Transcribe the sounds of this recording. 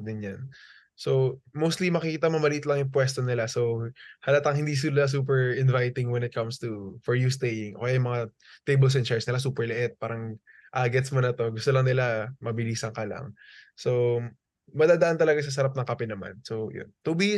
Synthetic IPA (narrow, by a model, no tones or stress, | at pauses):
d̪ɛnjan | so̞wmowst̪limɐkɪkiːt̪ɐmɐmɐliːt̪lɐŋjʊpwɛst̪onɪlaso̞whɐlat̪ɐŋhɪnd̪iːs̬ɪnɪlas̬uːp̬ɛɹɪnvajt̪ɪŋwɛnɪt̪̚kɐmst̪ufɔɹjust̪ejɪŋʔokjajʊmɐŋa | t̪ejbɛls̬ɛnt͡ʃɛɹsnɪlas̬uːpɛɹlɪʔɛt̪̚paːɾɐŋ | ʔaɡɛt̪smonɐt̪o̞ɡʊst̪olɐŋnɪlamɐbɪliːsɐŋkɐlɐ̰ŋso̞ | mɐd̪aːd̪ɐʔant̪ɐlɐɡas̬ɐs̬ɐɾap̚nɐŋkɐpɛnɐma̰nsowjʊ̰nt̪ubi